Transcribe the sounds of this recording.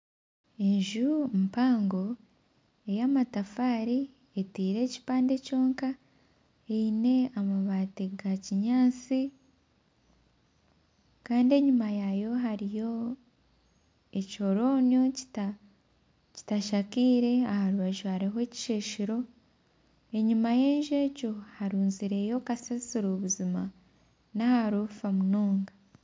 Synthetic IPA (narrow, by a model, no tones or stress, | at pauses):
e̞ɲʒumpaːŋɡo̞ | e̞jamatafaːɾi | etiːɾe̞ːci̥paːnde̞co̞ːŋka | eine̞amaβateɡaciɲaːt͡si | kaːndie̞ɲumajajo̞ɦaɾijo̞ | e̞co̞ɾo̞ːnjo̞ci̥ta | ci̥taʃakiːɾe̞ahaɾuβaʒuhaɾiɦoeci̥ʃe̞ːʃiɾo̞ | e̞ɲimaje̞ːnʒe̞ːcohaɾuːnziɾe̞jo̞kasasiɾoβuzima | nahaɾufamunoːŋɡa